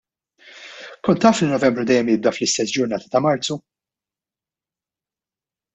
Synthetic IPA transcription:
kɔnt̪ːɐːflinɔvɛmbɾud̪ɛjːɛmjɪb̚d̪ɐflɪst̪ɛs̬d͡ʒʊɾnɐːt̪ɐ̥t̪ɐmɐɾt͡su

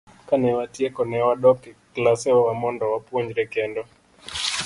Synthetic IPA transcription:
kanɛwatiɛkɔnɛwaɗɔkɛklasɛwamɔndɔwapuɲd͡ʒɾɛkɛndɔ

